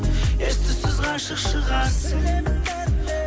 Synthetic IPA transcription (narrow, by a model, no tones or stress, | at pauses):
est̪ɪsɪzʁɑʃəqʃəʁɑs